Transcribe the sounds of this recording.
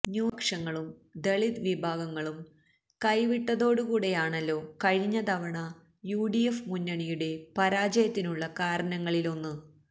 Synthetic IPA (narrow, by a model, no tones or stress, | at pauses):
ɲuːɐkʂɐŋːɐɭumd̪e̞ɭid̪ʋibʱaːɡɐŋːɐɭum | kɐjʋiʈːɐðo̞ːɽukuːɽe̞jaːɳɐlːo̞ːkɐɻiɲːɐd̪ɐʋɐɳɐ | juːɖijefmunːɐɳijuɽe̞pɐɾaːd͡ʑɐjɐt̪ːinuɭːɐkaːɾɐnɐŋːɐɭilo̞nːɨ